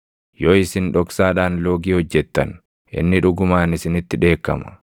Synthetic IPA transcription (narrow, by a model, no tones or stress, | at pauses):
joːɪsɪnᶑɔksaːᶑaːnlo̞ːɡiːhɔd͡ʒːɛt̪ːɐ̰n | ʔɪ̰nːɪᶑʊɡʊmaːnɪsɪnɪt̪ːɪᶑe̞ːkːɐ̰mɐ̥